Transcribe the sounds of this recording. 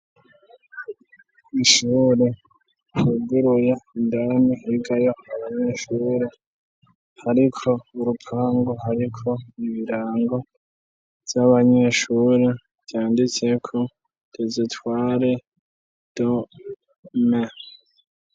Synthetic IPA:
iʃuːɾe | huɡuɾujeindanihiɡajo̞aβaɲe̞ʃuːɾe | haɾikʰo̞uɾupʰaːŋɡoɦaɾikʰo̞iβiɾaːŋɡo̞ | v̥jaβaɲe̞ʃuɾe | vjaːndit͡se̞kʰo̞ | d̥ezitwaːɾe | d̥o | me

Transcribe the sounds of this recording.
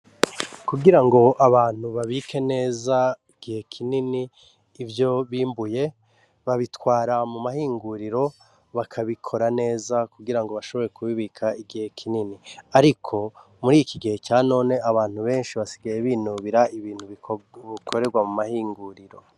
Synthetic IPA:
kuɡiɾaŋɡo̞ʔaβaːn̥huβaβikʰe̞ne̞ːzaiɡ̥ihe̞kʰininiː | vjo̞βiːmbuje̞ | βaβitwaːɾamumahiːŋɡuɾiɾo̞ | βakʰaβikʰo̞ɾane̞ːzakuɡiɾaŋɡo̞βaʃo̞βo̞ɾekuβiβikʰaiɡihe̞kʰininiaɾikʰo̞ | muɾiːjikʰiɡihe̞caːno̞ːne̞aβaːn̥huβe̞ːnʃiβasiɡajeβiːnuβiɾaiβiːn̥huβiikʰoɾeɾɡwamumahiːŋɡuɾiɾo̞̰

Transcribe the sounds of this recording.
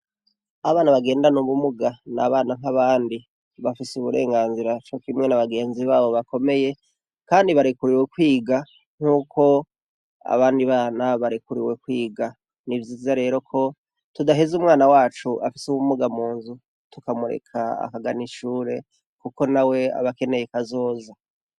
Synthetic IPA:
aβaːnaβaɡe̞ːndanuβumuɡana̰βaːnaŋ̥aβaːndi | βafisuβuɾe̞̰ːŋɡaːnziɾat͡ʃokimŋe̞naβaɡe̞ːnziβaβo̞βako̞me̞je̞ | kaːndiβaɾekuɾiwekwiːɡa | ŋ̥uːkʰo̞ | a̰βaːndiβaːnaβaɾikuɾiwe̞kwiːɡa | nivjiːzaɾe̞ːɾo̞kʰo̞ | tudaɦezumŋaːnawaːt͡ʃuʔafi̥sumumuɡamuːnzu | tukamuɾe̞̰kʰaa̰kaɡaniʃuːɾe̞ | kuko̞nawe̞a̰βake̞ne̞jekazo̞ːza

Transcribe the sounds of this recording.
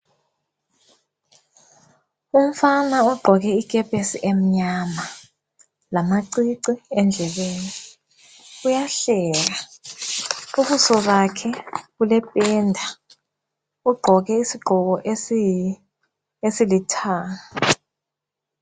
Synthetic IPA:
um̩fanaɔɡ͡ǃʱɔɣɛikʼɛpʼesiʔem̩ɲama | lamaǀiǀiɛnd͡ɮʱɛβeːni | ujaɬɛːɣa | uβusɔβakʰɛɣulɛpʼɛːndʱa | uɡ͡ǃʱɔɣɛisiɡ͡ǃʱɔɣɔʔ | esilitʰaːŋa

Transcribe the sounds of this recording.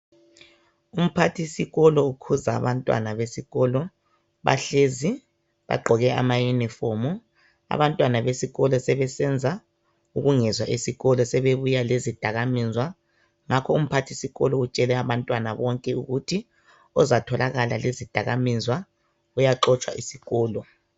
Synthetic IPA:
um̩pʰatʰisiɣɔlɔukʰuza̰ːβantʼwa̰naβesiɣɔlɔ | βa̰ɬezi | βa̰ɡ͡ǃʱɔɣɛa̰majunifɔmu | a̰βantʼwanaβesiɣɔlɔsɛβɛsɛnd͡zʱa | uɣuŋɛzwaʔisiɣɔlɔsɛβeβujalezid̥ʱaɣamizwa | ŋakʰɔum̩pʰatʰisiɣɔlɔut͡ʃʼɛlɛaβantʼwanaβɔŋkʼɛuɣutʰi | ɔzatʰɔlaɣala̰lezid̥ʱaɣamizwa | ujaǁɔt͡ʃʼwa̰ʔisiɣɔːlɔ

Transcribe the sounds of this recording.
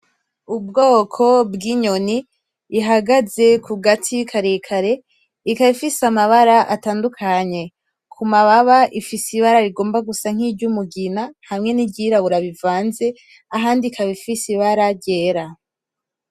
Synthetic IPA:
ub̚ɡo̞ːkʰo̞bɡiɲo̞niː | ɦaɡaze̞kʰuɡatʰikʰaɾekʰaɾe̞ | ikaβifisamaβaɾaʔataːndukʰaɲe̞ | kʰumaβaβaʔifisiβaɾaɾiɡo̞ːmbaɡusaŋ̥ibɟumuɡinahamŋe̞niɟiɾaβuɾaβivaːnze̞ | aɦaːndikʰaβifisiβaɾaɾɟe̞ːɾa

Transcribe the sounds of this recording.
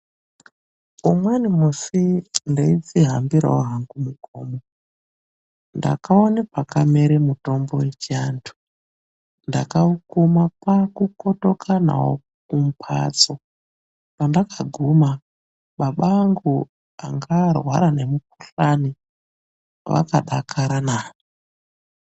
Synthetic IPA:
umwanimusindaid͡ziɦambiɾa̰oɦaŋɡumukoːmo | nda̰kaonepakameɾemuto̞mbo̞wet͡ʃiantʰu̥ | ndakaukumapakuko̞to̞kʰana̰wo̰ | kum̩pʰa̰t͡so | pandakaɡʱuma | ɓaɓaːŋɡu | aŋɡarwa̰ɾane̞muk̚uɬani | ʋa̰kaɗakʰaɾana

